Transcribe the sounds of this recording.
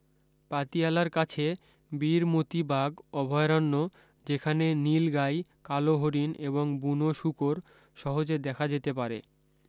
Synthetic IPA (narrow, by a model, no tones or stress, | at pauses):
pat̪ialaɾkat͡ɕʰe | biɾmot̪ibaɡɔbʱɔeɾanːo | d͡ʑekʰanenilɡajkaloɦoɾineβoŋbunoʃukoɾ | ʃɔɦod͡ʑed̪ɛkʰad͡ʑet̪ep̬aɾḛ